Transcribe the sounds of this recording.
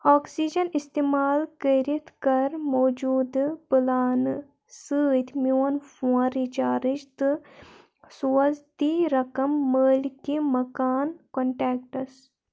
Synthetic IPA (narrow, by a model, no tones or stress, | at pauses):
aːksiːd͡ʒɐnist̪eːmaːlkəɾit̪ʰkɐɾmoːd͡ʒuːd̪pɨlaːn | sɨːt̪mjoːnfõɾit͡ʃaːɾid͡ʒt̪ɨ | suɐzt̪iɾɐkɐmːəːlkimɐkaːnkoɳʈɛːk̚ʈɐs